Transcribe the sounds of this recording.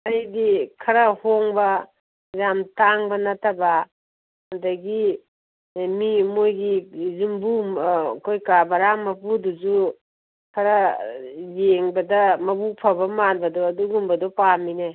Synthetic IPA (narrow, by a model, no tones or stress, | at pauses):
ajdikʰɐɾɐhoŋbɐ | jamtaŋbɐnɐtʰɐbɐ | hɐdɐɡi | mimojɡizumbukʰojkabɐɾamːɐpuduzu | kʰɐɾɐ | jeŋbɐdɐmɐbupʰɐbɐmanbɐdɔɐduɡumbɐdɔpamine